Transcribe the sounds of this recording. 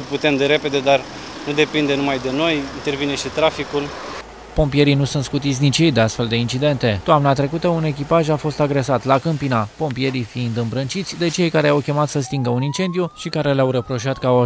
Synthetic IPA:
put̪e̞md̪eɾe̞pe̞d̪e̞d̪ar | nud̪e̞pind̪e̞numajd̪e̞no̞jint̪e̞rvine̞ʃit̪ɾafikul | po̞mpije̞ɾinusunt̪skut̪it̪sʲnit͡ʃjejd̪e̞ast̪fe̞ld̪e̞int͡ʃid̪e̞nt̪e̞t̪oamnat̪ɾe̞kut̪əune̞k̬ʲipaʒafo̞st̪aɡɾe̞sat̪lakəmpinapo̞mpije̞ɾifiind̪ɨmbɾənt͡ʃit̪sʲd̪e̞t͡ʃe̞jkaɾe̞awkʲe̞mat̪səst̪iŋɡəunint͡ʃe̞nd̪ijuʃikaɾe̞leawɾəpɾo̞ʃiat̪kːw

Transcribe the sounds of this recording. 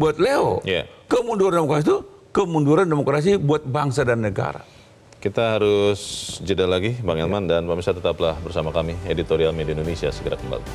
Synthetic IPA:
buat̪̚leo̰ja̰kəmunduɾandemokɾas̬it̪u | kəmunduɾandemokɾas̬ibuat̪̚baŋsadanːəɡa̰ɾa̰ | kit̪aɦaɾʊsd͡ʒədalaɡibaŋɛlmandanpamisat̪ət̪aplahbərsamakamiedit̪oɾialmediaindonesiasəɡəɾakəmba̰li

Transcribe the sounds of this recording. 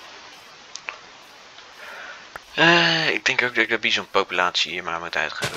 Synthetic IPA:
əɪɡ̚dɛŋkowk̚dɔɪɡ̚dɔt̚bizɔnpowpylaːtsiəmaːɹmutœ̰ɥtχḛːvə

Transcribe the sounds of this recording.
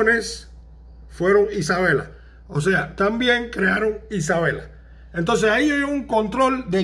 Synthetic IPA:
nes | fwe̞ɾo̞ŋisaβe̞la̰ | os̬e̞at̪ambje̞ŋkɾeaɾo̞ŋisaβ̞e̞la̰ | ent̪o̞ns̬esaiojouŋko̞nt̪ɾo̞ld̪e̞

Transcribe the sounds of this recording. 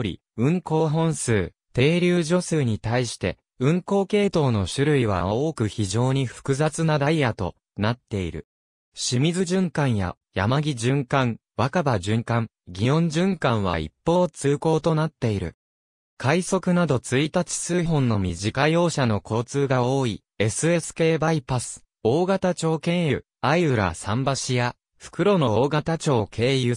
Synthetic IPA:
ɾʲḭ | ɯ̟̃ŋko̞ːɦõ̞ɰ̃sɨː | t̪e̞ːɾʲɨːʑo̞sɨːɲ̟it̪aiɕi̥t̪e̞̰ | ɯ̟̃ŋko̞ːke̞ːt̪o̞ːno̞ɕɨɾɯ̟iβ̞a̰ao̞ːkɯ̟çiʑo̞ːɲ̟iɸɯ̥kɯ̟zat͡sɨnad̪aiat̪o̞̰ | nat̪ːe̞iɾɯ̟̰ | ɕimʲizɨʑɨ̃ŋkãɰ̃ja̰ | jamaɡʲiʑɨ̃ŋkãŋ | βakabaʑɨ̃ŋkãŋ | ɡʲijõ̞ɲ̟d͡ʑɨ̃ŋkãɰ̃β̞a̰ḭpːo̞ːt͡sɨːko̞ːt̪o̞nat̪ːe̞iɾɯ̟̰ | kʰaiso̞kɯ̟nad̪o̞t͡sɨit̪at͡ɕi̥sɨːɦõ̞nːo̞mʲiʑikajo̞ːɕano̞ko̞ːt͡sɨːɡao̞ːi | e̞sɨe̞sɨ̥ke̞ːbaipasɨ̥ | oːɡat̪at͡ɕo̞ːkẽ̞ɰ̃jɯ̟ | aiɯ̟ɾa̰sãmbaɕija | ɸɯ̥kɯ̟ɾo̞no̞oːɡat̪at͡ɕo̞ːkʰe̞ːjɯ̟

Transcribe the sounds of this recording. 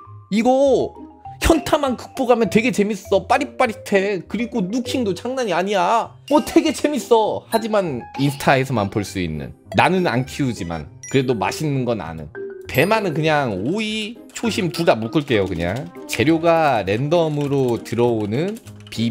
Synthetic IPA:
iɡʌ | çjʌntʰamankɯ̥k̚p͈oɡamjʌntwe̞ɡe̞t͡ɕe̞mis͈ʌp͈aɾip͈aɾitʰe̞kɯɾiɡonukʰiŋdot͡ɕʰaŋnaɲiaɲija | mwʌtwe̞ɡe̞t͡ɕe̞mis͈ʌhad͡ʑimaninsʰɯ̥tʰae̞s̬ʰʌmanpoɭs͈uḭnːɯ̰nːanɯna̰nkʰiud͡ʑima̰nkɯɾe̞doma̰ɕʰinːɯnɡʌna̰nɯ̰npe̞manɯnkɯɲaŋoi | t͡ɕʰoɕʰimtudamok͈ɯɭk͈e̞jokɯɲa̰ŋt͡ɕe̞ɾjoɡaɾe̞ndʌmɯɾotɯɾʌonɯn | pi

